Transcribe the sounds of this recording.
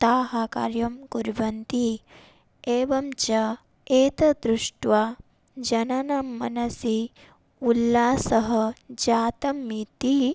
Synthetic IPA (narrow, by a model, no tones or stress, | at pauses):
t̪aːɦaːka̰ːɾjɐmkuɾʋɐnt̪i | eːʋɐmt͡ʃɐ | eːt̪ɐd̪ɾuʂʈʋaː | d͡ʒɐnɐnɐmːɐnɐsi | ulːaːsɐɦɐd͡ʒaːt̪ɐmːit̪i